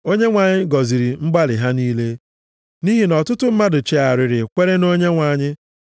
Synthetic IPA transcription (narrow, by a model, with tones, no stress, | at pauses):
o˦ɲe˦ŋʷa˨ɲɪ˦ɡɔ˨zi˨ɾi˨ŋ͡m̩˦ɡ͡ba˦lɪ˨ɦa˦niː˦le˦ | ni˦ɦi˨nɔ˨tʊ˦tʊ˦m̩˦ma˦dʊ˨t͡ʃe˨a˨ɾɪ˨ɾɪ˨kʷe˦ɾe˦no˦ɲe˦ŋʷa˨ɲɪ˦